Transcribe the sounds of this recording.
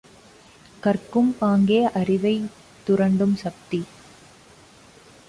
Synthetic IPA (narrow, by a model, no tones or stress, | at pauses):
kɐrkɯmpaːŋɡejʔɐrɪʋɐɪ | t̪ːʊɾɐɳɖɯmsɐk̚t̪i